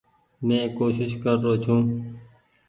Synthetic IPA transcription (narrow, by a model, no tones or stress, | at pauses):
mẽːkoːʃɪʃkəɾːoːt͡ʃʰũː